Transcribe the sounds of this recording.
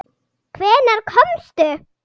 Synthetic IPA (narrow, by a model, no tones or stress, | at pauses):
kʰvɛːnaɾ̥kʰɔmst̪ʏ